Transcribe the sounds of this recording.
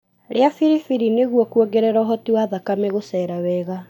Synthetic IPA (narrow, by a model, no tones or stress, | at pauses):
ɾeafiɾifiɾineɣuɔkwoɡeɾɛɾɔɦɔtiwaðakameɣosɛːɾawɛːɣa